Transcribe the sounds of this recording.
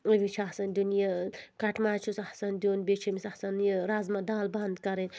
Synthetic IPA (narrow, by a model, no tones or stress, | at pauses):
ɐʋit͡ʃʰɐhsɐnd̪unjakɐʈʰmaːt͡ʃʰusɐhsɐnd̪uːnbet͡ʃʰimisɐhsɐnjɾaːzmɐd̪aːlbɐnd̪kɐɾen